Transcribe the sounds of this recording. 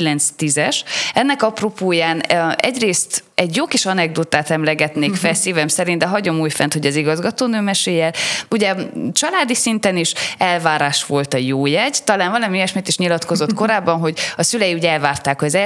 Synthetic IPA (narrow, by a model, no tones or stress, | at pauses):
ilɛnt̪st̪izɛʃɛnːɛkɒpropoːjaːnɛ̰ɟreːst̪ɛɟjokiʃɒnɛɡ̚d̪oːt̪aːt̪ɛmlɛɡɛt̪neːkfɛsiːvɛmsɛɾind̪d̪ɛɦɒɟo̞muːjfɛnt̪ho̞ɟɛziɡɒzɡɒt̪oːnøːmɛʃeːjɛluɟɛt͡ʃɒlaːd̪isint̪ɛniʃɛlvaːɾaːʃʋo̞lt̪ɒjoːjɛɟt̪ɒlaːnvɒlɒmiɛʃmit̪eːʃɲilɒt̪ko̞zo̞t̪ko̞ɾaːbːɒnɦo̞ɟɒsylɛjiuːɟɛlvaːrt̪aːkhojzɛ